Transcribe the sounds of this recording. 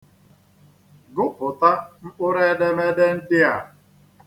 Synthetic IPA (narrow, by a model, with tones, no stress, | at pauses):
ɡʊ˦pʊ˨ta˦m̩˦k͡pʊ˦ɾe˦de˦me˦de˦n̩˦dɪ˦a˨